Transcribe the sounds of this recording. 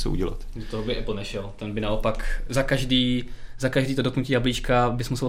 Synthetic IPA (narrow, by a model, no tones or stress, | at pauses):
t͡so̰ʔṵɟɛla̰t̪dot̪oɦobɪʔɛpl̩nɛʃɛlt̪ɛnbɪnaopakzakaʒdiːzakaʒdiːt̪odoknuciːjabliːt͡ʃkabɪsmusɛ